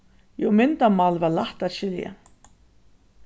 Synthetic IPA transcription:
jomɪnt̪amalvaɾlaht̪aðɕɪlja̰

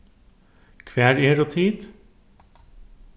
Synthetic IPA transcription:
kʰʋæːɾeːɾoːt̪ʰiːd̪

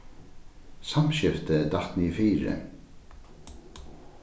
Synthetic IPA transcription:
samʃɪft̪əd̪at̪nifiːɾə̰

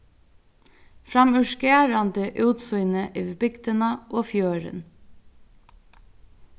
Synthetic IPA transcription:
fɾɑmʉʃkeɑɾɑnd̪eːʔʉːt̪sʊʏnəʔeːʋbʏɡd̪ənɑʔoːfjøːɾə̰n

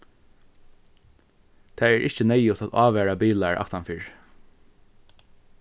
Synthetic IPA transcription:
t̪ʰæːɛːɹʔɪçt͡ʃənɛɪjʊt̪at̪ɑːʋæːɹabiːlaɹʔa̰kt̪anfiːɹ

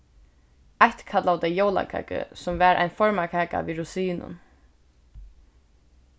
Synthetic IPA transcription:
ajht̪kʰat̪laʊt̪ɛjoːwla̰kʰa̰ːkə̰sɔmvæːɾʔa̰ɪjnfɔɹmakʰaːka̰viːɹusiːnʊ̰n

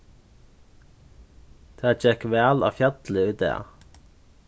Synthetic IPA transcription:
d̪̥ʰæːd͡ʒɛkʋæːlo̰ːfjæt̪l̩əʉːt̪̚d̪ḛː

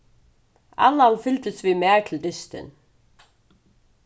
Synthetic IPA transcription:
a̰lːanfɪlt̪ɪst̪vimɛːɹt̪ʰɪld̪ɪst̪ɪ̰n

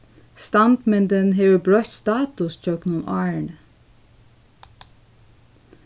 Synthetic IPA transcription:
st̪ɑnt̪mɛnd̪ənɦeːʋəbɹœçt̪st̪ɑːt̪ʊst͡ʃœɡnʊnʔɑːɹɳ

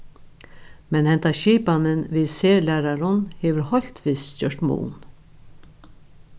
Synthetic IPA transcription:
mɛnhɛnt̪aʃiːpanənʋɪːseːlæːɾaɾʊnheːʋəɾhɔlt̪ʋiːsçœʂt̪mṵːn

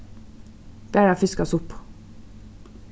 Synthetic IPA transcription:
b̥æːɾɑfɪskɑsʊp

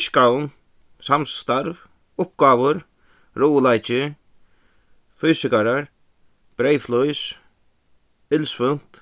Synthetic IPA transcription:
ʃkawn | samst̪aɾv | ʊp̚ɡaːʋʊɾ | ɾuwlajt͡ʃɪ | fyːsɪkaɾaɹ | b̥ɾejflʊjs | ɪlsfʏn̥t̪

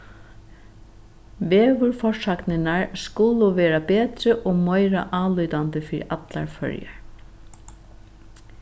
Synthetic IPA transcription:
ʋeːʋʊɹfɔʂaknɪnaɹskʊlʊʋeːɾabeːt̪ɾəʔɔːmœɪɾa̰ʔɑːlʏːt̪and̪əfiːɾat̪la̰ɹfœ̰ɹja̰ɹ

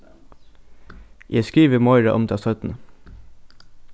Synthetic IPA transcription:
jʔɛːskɹiːʋəmɔʏɹaʔʊmd̪ʰɑːsœt̪n̩ə

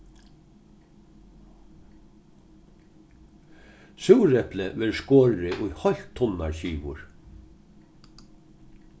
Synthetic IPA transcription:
sʉwɾɛpləʋɪɾskoːɹɪʔʊjhɔl̥t̪ʰːʊnːa̰ɹɕiːʋʊ̰ɹ

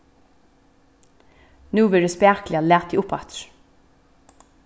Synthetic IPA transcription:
nuːʋɪːɖʉːspæːklɪɑleːt̪iːʊpɑt̪ɾ

